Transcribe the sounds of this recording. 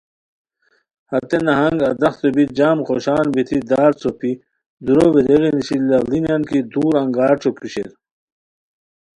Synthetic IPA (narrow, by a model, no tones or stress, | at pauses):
hɐt̪enɐɦɐŋɡɐd̪ɐxt̪obit̪̚d͡ʑaːmχoɕaːnbit̪ʰid̪aːɾt͡sopʰi | d̪uɾobeɾeɣiniɕillɐlinankid̪uːɾɐŋɡaːɾʈ͡ʂʰokʰuɕḛɾ